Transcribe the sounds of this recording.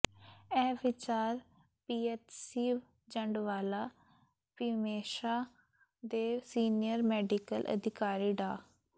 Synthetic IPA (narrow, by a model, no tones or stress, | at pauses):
ɛːʋɪt͡ʃaːɾ | piːɛːt̪siːʋ | d͡ʒəɳɖʋaːlaː | pimeːʃaː | d̪eːsiːnijəɾmɛːɖikəlʔə̰d̪ʱɪkaːɾiːɖaː